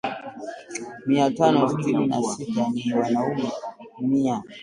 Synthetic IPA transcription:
miatanɔstinina̰sitaniwanaumɛmia

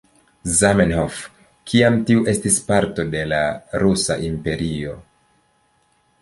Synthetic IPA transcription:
zamenhof | kʰiamtiuʔe̞stispaɾto̞de̞laɾusa̰ʔimpe̞ɾio̞̰

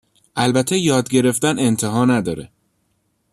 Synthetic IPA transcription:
ʔælbæt̪ʰːejɒːd̪ɟe̞ɾe̞ft̪æne̞nt̪ʰeɦɒːnæd̪ɒːɾḛ

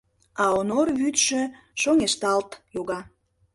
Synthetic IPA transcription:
ɑonorβyt̪ʃø̆ | ʃoŋʲeʃt̪ɑlt̪joɣɑ

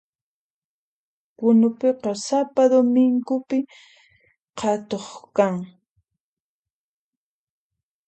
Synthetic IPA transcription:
kʊnʊpeqɑsapad̪omɪŋkʊpɪ | qʰɑt̪oχkaŋ

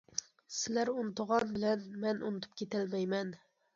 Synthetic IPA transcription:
sɪlæɾunɨt̪əʁɑnbɪlɛnmɛnʔunɨt̪ʰu̥p̚kʲʰet̪ælmɛjmɛn

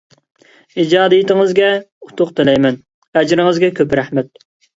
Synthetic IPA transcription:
id͡ʒɑːd̪ijit̪ɪŋɨzɡʲɛut̪ʰʊqt̪ʰɪlɛjmɛn | ɛd͡ʒɾɪŋɨzɡʲɛkʲøpɾæhmɛt̪̚

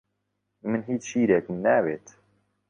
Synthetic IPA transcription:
mɨnɦiːt͡ʃʃiːɾeːkmnæːweːt̪

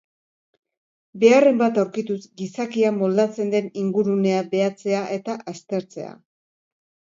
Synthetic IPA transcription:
be̞are̞mbat̪awɾkit̪usɡisakiamo̞ld̪at͡se̞nd̪e̞niŋɡuɾune̞abe̞at͡se̞aʔe̞t̪aʔast̪e̞ɾt͡se̞̰a̰

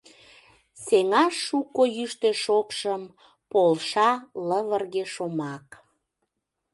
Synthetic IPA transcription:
seŋɑʃːukojyʃt̪eʃokʃəm | polʃɑləβərɣeʃomɑk

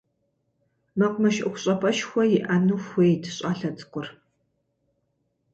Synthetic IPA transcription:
mɐqʷmɐʃʔʼʊxʷʊɕʼɐpʰʼɐʃxʷɔjɪʔɐnuːxʷeːjtʰɕʼaːɬɐtʰʼɨ̥qʷʊr

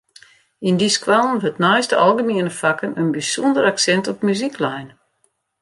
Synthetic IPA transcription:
indiskwalˠnʋøtnajstəɔlˠɡəmiənəfakənənbisundəɾaksɛntɔpmyziklɛjn

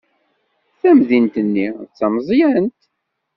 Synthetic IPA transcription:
θæmðint̪ənːit͡sːɑmzˤjænt̪

